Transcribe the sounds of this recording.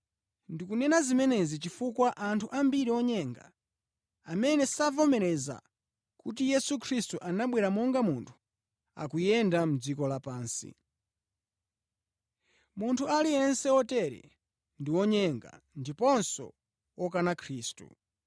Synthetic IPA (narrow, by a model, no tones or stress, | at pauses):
ndikunɛnazimɛnɛzit͡ʃifukwaʔantʰuʔambiɾiɔɲɛŋɡa̰ | amɛnɛsavɔmɛɾɛza̰ | kut̬ijɛsukʰɾistuʔanaɓwɛɾamɔŋɡamuntʰu̥ | a̰kujɛndam̩d͡zikɔlapaːnsḭ | muntʰualiɛnsɛɔtɛɾɛ̰ | ndiwɔɲɛŋɡa̰ | ndipɔnsɔ̰ | ɔkanakʰɾiːstṵ